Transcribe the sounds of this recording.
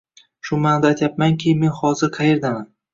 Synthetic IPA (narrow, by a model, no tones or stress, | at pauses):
ʃʊmand̪ajt̪ʰjapmaŋkʲʰɪme̞nhɒzɪɾqʰɑje̞ɾd̪aman